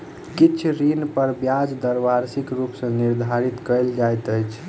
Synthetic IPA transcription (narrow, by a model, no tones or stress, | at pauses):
kit͡ʃʰɾinpəɾbjad͡ʒd̪əɾʋaɾsikɾupsə̃niɾd̪ʱaɾit̪kəɪld͡ʒajt̪əjt͡ʃʰ